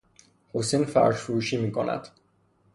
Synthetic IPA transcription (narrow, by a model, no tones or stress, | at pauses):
hosinfæ̰ɾʒfoɾuːʃiːmiːkʰonæ̰d̪̥